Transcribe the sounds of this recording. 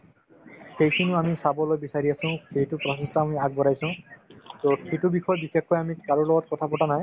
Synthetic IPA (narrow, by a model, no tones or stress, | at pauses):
xejkʰinʊamisabɔlojbisaɹiasʊ̃ʊ̃xejtʊpɹɔsistɔamiaɡ̚bɔɾajsʊ̃toxitubixɔjbixekːɔjamikaɹulɔɡɔtkɔtʰapɔʈanaj